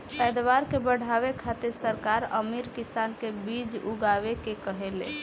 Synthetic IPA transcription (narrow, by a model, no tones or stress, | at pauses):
pɛd̪ʋaɾkebəɽ̤ʱaβekʰat̪eɾsəɾkaɾə̰miɾkisankebid͡ʒuɡabekekəɦelḛ